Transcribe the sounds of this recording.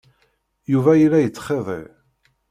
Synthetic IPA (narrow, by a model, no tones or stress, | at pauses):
juvæjilæjət͡sːχeðˤḛ